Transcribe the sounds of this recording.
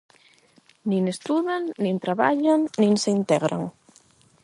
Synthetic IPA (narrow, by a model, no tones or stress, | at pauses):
nĩŋest̪uðaŋnĩnt̪ɾaβa̰ʎaŋnĩŋseint̪ɛɣɾa̰ŋ